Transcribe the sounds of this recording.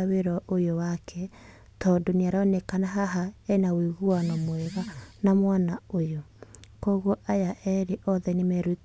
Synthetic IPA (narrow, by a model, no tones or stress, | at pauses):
aweɾɔʔojowakʰɛ | tɔdoneaɾɔnekanaɦaɦaɛnawiɣuanɔmwɛɣanamwanaojokoɣwɔʔajaʔɛɾeʔɔðɛnemɛɾu